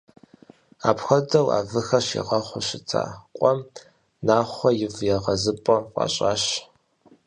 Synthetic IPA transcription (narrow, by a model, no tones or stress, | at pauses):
aːpxʷɐdɐwa̰ːvɨxɐɕḭʁɐχʷʊɕɪt͡sʰa̰ːqʷʼɔm | naːχʷɔjɪvjɛʁɐzɨpʼɔqʼɑ̰ɕʼaːɕ